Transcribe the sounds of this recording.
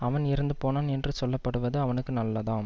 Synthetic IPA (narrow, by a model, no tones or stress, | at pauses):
ɐʋɐnɪɾɯnd̪ɯpoːnaːnɛndrɯsɔlːɐpːɐɽɯʋɐðɯɐʋɐnɯkːɯnɐlːɐðãːm